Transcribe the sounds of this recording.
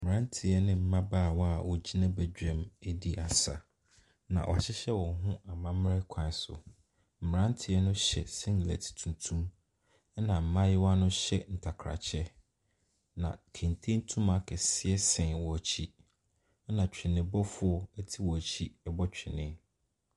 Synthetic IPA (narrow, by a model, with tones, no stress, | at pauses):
m̩˨m˨ɾã˦n˦tʰɪ˨ɛ˦nɪ̃˦m̩˨mã˦baː˦˨wɔ˦a˨wɔ˨d͡ʑi˦nã˦bɛ˨d͡ʑᶣɛ̃˨mɛ˦di˦a˨sa̰˨ | nã̰˨ʔɔ̰˨a˨ɕɪ˦ɕɛ˦wɔ̃˨ɦʊ̃˦a˨mã˦m˦ɛ˦kʷʰã˨˦sʊ̰˨ | m̩˨ɾã˦n˦tʰɪ˨ɛ˦nʊ̃˦ɕɛ̰˨sɛ̃˦n˨læ̰˨tʰi̥˨tʰũ˨ntʰũ˦m˦ | nã˨m̩˨mã˦jɪ˦wa˦nʊ̃˦ɕɛ˦n̩˨tʰa˨kʰɾa̰˨t͡ɕʰɛ˦ | nã̰˨kʰẽ˨n˨tʰẽ˦n˦tʰũ˦ma˨kʰɛ˨sɪ˦ɛ˦sɪ̃˨wɔ˨t͡ɕʰi˦ | nã˨t͡ɕᶣɪ˨nɪ̃˨bɔ˦fʊ˦ɔ˦ɛ˦tʰi˦wɔ˨æ˨t͡ɕʰi˦ɛ˦bɔ˦t͡ɕᶣɪ˨nɪ̃˦